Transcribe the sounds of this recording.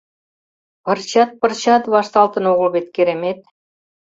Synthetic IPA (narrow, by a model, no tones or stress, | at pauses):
pɤ̆rt͡ɕɑt̪̚pɤ̆rt͡ɕɑt̪βɑʃt̪ɑlt̪ə̆noʁəlβet̪keɾemet̪̚